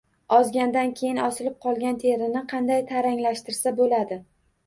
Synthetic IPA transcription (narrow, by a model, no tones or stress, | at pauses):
ɒzɡʲand̪ankʲʰe̞jɪnɒsɪlɪp̚qʰɒlˠɡʲant̪ʰe̞ɾɪnɪqʰɑnd̪ajt̪ʰaɾaŋlaʃt̪ɪɾsabolad̪ɪ